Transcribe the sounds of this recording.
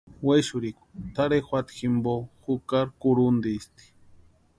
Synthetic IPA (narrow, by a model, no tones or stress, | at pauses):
weʃuɾiku̥t̪aɾexʷwat̪ximboxukaɾkuɾund̪iːst̪i̥